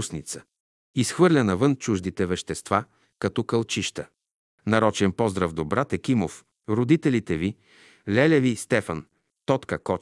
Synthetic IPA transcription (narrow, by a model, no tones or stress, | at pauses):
usnit̪sə | isxvɤɾlʲɐnɐvɤnt͡ʃuʒd̪it̪ɛvɛʃt̪ɛst̪va | kɐt̪ɔkəlˠt͡ʃiʃt̪ə | nɐɾɔt͡ʃɛnpɔzd̪ɾəvd̪obɾat̪ɛkimof | ɾod̪it̪ɛlit̪ɛvi | lɛlɛvist̪ɛfɐn | t̪ɔt̪kəkɔ